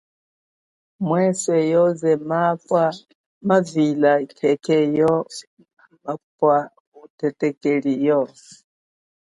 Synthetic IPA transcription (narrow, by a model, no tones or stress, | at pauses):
mwɛsɛjɔzɛmaa | mavilakʰɛkɛjɔ | mapwa | utɛtɛkɛlijɔ